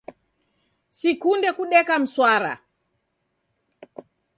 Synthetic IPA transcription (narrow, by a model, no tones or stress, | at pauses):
sikundɛkuɗɛkam̩swaɾa̰